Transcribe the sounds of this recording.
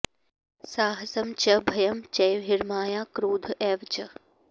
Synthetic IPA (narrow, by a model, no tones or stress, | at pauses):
saːɦɐsɐmt͡ʃɐbʱɐjɐmt͡ʃɐjʋɪɾmaːjaːkɾuːd̪ʱʔeːʋt͡ʃɐ